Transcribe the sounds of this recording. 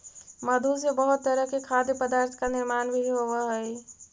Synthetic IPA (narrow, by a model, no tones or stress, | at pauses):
məd̪ʱusebəɦʊt̪ːəɾəɦkekʰad̪pəd̪aɾt̪ʰkanɪɾmaːnbʱiɦobəɦəj